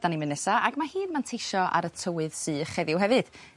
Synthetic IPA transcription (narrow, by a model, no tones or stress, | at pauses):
d̥animɨnɛsaʔaɡmahiːnmantʰejʃɔʔa̰ɾətʰəwɨð̥sɨːχɛðɪwɦɛvɨd̥